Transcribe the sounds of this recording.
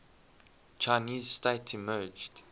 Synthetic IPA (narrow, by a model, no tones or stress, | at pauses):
t͡ʃʰaɪniːzsteɪtʰimɜːd͡ʒd̥